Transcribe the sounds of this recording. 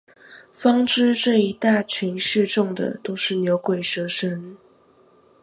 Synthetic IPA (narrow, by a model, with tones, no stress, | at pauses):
fɑ˥ŋʈ͡ʂɻ̩˥ʈ͡ʂɤ˥˩i˧˥t̪a˥˩t͡ɕʰy˧˥nʂɻ̩˥˧ʈ͡ʂʊ˥˩ŋd̪ə̰˨˩t̪o˥ʊʂɻ̩˥˩njo˧˥ʊkwe˨˩ɪʂɤ˧˥ʂə˧˥n